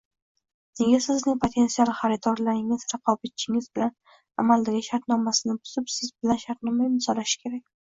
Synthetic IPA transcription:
ne̞ɡʲasɪznɪŋpʰot̪ʰe̞nt̪sialˠχaɾɪt̪ʰɒɾlaɾɪŋɪz̥ɾɑqʰɒbat̪̚t͡ʃʰɪŋɪzbɪlan | a̰mald̪aɡʲɪʃaɾt̪nɒmasɪnɪbʊ̥z̥ɪpsɪzbɪlanʃaɾt̪̚nɒmajɪmsɒlaʃɪ̥kʲʰe̞ɾakʲ

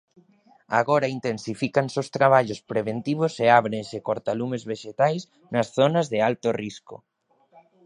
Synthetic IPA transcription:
a̰ɣɔɾaint̪ensifikansowst̪ɾaβaʎospɾeβ̞ent̪iβ̞oseaβɾensɪkoɾt̪alumezβeʃet̪ajs | nɐsθonɐzðɪalt̪orisko̰

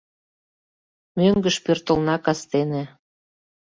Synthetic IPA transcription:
møŋɡəʃpørt̪ə̆lnɑkɑst̪enĕ

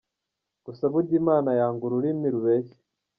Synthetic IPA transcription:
ɡ̥usaβuɾɟimaːnajaːŋɡuɾuɾimiɾuβece̥

